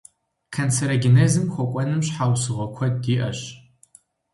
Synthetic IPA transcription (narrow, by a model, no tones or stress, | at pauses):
kʰɐnt͡sʰɐɾɐɡɪnezɨmxʷɔkʷʼɔnɨmɕħawsɨʁʷɔkʷʰɐdiːʔɐɕ